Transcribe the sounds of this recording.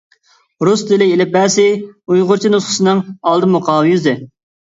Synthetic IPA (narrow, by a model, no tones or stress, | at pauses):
ɾusd̪ɪlɪelɪp̚bɛːsɪujʁʊɾt͡ʃʰinʊsχə̥sɨnɨŋɑlˠd̪ɨmʊqʰɑːwjyzɪ